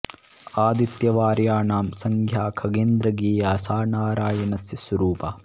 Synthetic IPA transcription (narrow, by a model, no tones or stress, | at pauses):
aːd̪it̪jɐʋaːɾjaːnaːmsɐŋkʰjaːkʰɐɡeːnd̪ɾɐɡiːjaːsaːnaːɾaːjɐnɐsjɐsʋɐɾuːpɐ